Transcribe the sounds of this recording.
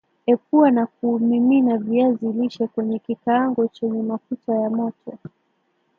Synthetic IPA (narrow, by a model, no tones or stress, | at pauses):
ɛp̚uanak̚umiminaviaziliʃɛkwɛɲɛkikaaŋɡɔt͡ʃɛɲɛmafutajamɔtʰɔ